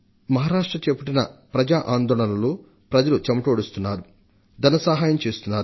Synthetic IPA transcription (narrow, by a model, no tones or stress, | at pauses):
mɐɦaːɾaːʂʈɾɐt͡ʃepɐʈinɐpɾɐd͡ʒaːʔaːnd̪ɔːɭɐlɐloː | pɾɐd͡ʒɐlut͡ʃɐmɐʈoːɽist̪unːaːɾu | d̪ɐnɐsɐɦaːjɐmt͡ʃeːst̪unːaːɾu